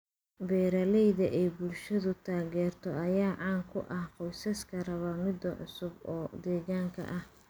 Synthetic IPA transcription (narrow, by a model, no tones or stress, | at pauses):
bɛːɾɐlɛjðɐʔɛjbʊlʃɐðʊt̪ʰaːɣɛːrt̪ʰɔʔɐjaːʕɑːŋkʰʊʔɐhqɔjsɐskʰɐrɐβɐmɪd̪ɐʕʊ̰sʊbɔːd̪ɛːɣaːŋkʰɐ̰ʔɐh